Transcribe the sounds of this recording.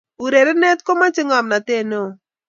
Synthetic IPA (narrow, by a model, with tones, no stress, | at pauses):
u˨ɾe˨ɾɛ˦nɛ˦t̪̚ko˦ma˦t͡ʃɪ˦ŋa˨mna˨te˦˨no˦o˨